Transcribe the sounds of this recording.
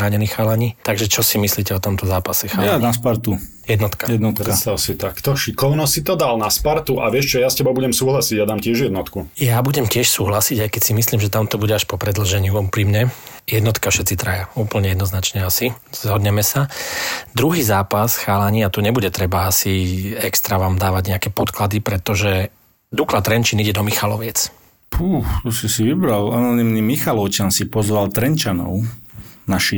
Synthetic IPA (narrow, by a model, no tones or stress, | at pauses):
ɾaːɲɛniːxaːlaɲiːt̪aɡʒɛt͡ʃɔsimisliːcɛɔt̪ɔmt̪ɔzaːpasɛxaːnaspaɾt̪u | jɛd̪nɔt̪kajɛd̪nɔt̪kst̪asit̪akt̪ɔʃikɔʊnɔsit̪ɔd̪alnaspaɾt̪uʔaʋɪɛʃt͡ʃɔjascɛbɔbuɟɛmsuːɦlasiɟjad̪aːmcɪɛʒjɛd̪nɔt̪kujabuɟɛmcɪɛʃsuːɦlasiɟajkɛcsimisliːmʒɛt̪amt̪ɔbuɟɛaʃpɔpɾɛd̪l̩ʒɛɲɪuupɾiːmɲɛ | jɛd̪nɔt̪kafʃɛt̪t͡sit̪ɾajauːpl̩ɲɛjɛd̪nɔznat͡ʃɲɛasi | zɦɔd̪ɲɛmɛsad̪ɾuɦiːzaːpasxaːlaɲiat̪uɲɛbuɟɛt̪ɾɛbaasiɛkst̪ɾaʋaːmd̪aːʋaɟɲɛakɛpɔt̪klad̪ipɾɛt̪ɔʒɛ | d̪uklat̪ɾɛɲt͡ʃiniɟɛd̪ɔmixalɔʋɪɛt͡s | pʰuːxt̪usisiʋibɾalanɔnimnimixalɔʊt͡ʃansipɔzʋalt̪ɾɛnt͡ʃanɔ̰ʊnaʃi